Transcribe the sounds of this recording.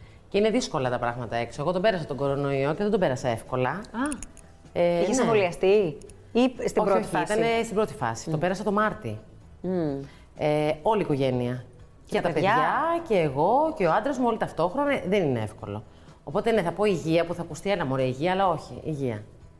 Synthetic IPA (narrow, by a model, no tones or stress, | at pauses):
ceine̞ðisko̞lɐt̪ɐpɾɐɣmɐt̪ɐe̞ksoɣo̞t̪o̞be̞ɾɐsɐt̪oɡo̞ɾo̞no̞io̞ce̞ðe̞d̪o̞be̞ɾɐsɐe̞fko̞lɐɐ | eiçsoliɐst̪i | ist̪iobɾoifist̪ɐnest̪ibɾot̪i̥fɐ̰si̥t̪obeɾɐsɐt̪o̞mɐɾt̪i | eo̞liːko̞ʝe̞niɐ | cet̪peʝɐʝɐceːɣo̞ceoɐnd̪ɾozmuo̞lit̪ɐft̪o̞xɾo̞nɐðenineefko̞̰lo̞̰ | opo̞t̪e̞ne̞θɐpo̞iʝiɐpuθɐkust̪ielɐmoɾeɐiʝiɐːlɐo̞çḭiʝiɐ̰